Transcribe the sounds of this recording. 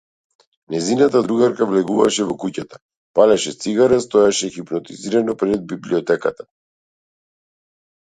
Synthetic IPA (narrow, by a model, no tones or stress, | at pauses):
nɛzinat̪ad̪ɾuɡaɾkavlɛɡuva̰ʃɛvɔkucat̪ḁ | palɛʃɛt̪siɡaɾɛst̪ɔɛʃɛxipnɔt̪iziɾanɔpɾɛd̪̚bibliɔt̪ɛkat̪a